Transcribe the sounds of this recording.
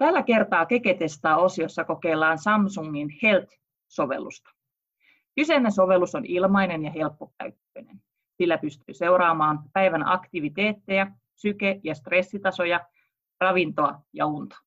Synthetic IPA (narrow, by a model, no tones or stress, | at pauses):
t̪ælːæke̞rt̪ɑːke̞ket̪est̪ɑːosijosːɑko̞ke̞ːlːɑːnsɑmsuŋːinhelt̪ | so̞ʋḛlːṵst̪ɑ̥ | kysenːesoʋe̞lːˑusonilmɑinenjɑhe̞lpːopæ̰ykːøinen | silːæpyst̪y̰ːse̞uɾɑːmɑːmpæiʋænɑ̰kt̪iʋit̪eːt̪ːejæ | sykejɑst̪re̞sːit̪ɑso̞jɑ | rɑʋint̪oɑjɑ̰unt̪ɑ̥